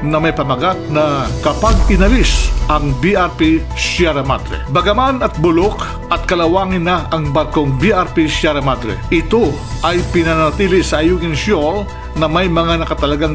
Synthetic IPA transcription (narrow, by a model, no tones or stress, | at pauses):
nɐmɐjpɐmɐɡat̪̚nɐkɐpaɡ̚ɪnɐlisʔɐŋbiʔaɾpi | ʃaɾɐma̰t̪ɾɛ̰bɐɡɐmanɐt̪̚bʊlok | ʔɐt̪̚kɐlɐwaːŋɪnːɐɐŋbɐɾko̞ŋbiʔaɾpiʃaɾɐmad̪ɾɛ̰ʔɪt̪o | ʔɐjpɪnɐnɐt̪iːlɪsɐʔɐjuːɡɪŋʃjol | nɐmɐjmɐŋanɐkɐt̪ɐlɐɡaŋ